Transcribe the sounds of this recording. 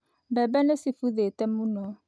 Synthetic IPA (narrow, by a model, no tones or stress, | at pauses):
bɛbɛnesifuðetɛmunɔ